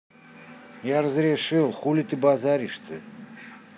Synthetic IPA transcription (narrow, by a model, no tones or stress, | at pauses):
jarəzɾʲɪʂɨlˠχulʲit̪ɨbazaɾʲiʂt̪ʰɨ̰